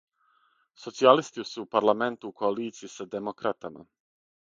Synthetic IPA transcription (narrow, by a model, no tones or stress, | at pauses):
so̞t̪sialist̪iusuupaɾlame̞nt̪uuko̞aliːt̪siisad̪emokɾat̪ama̰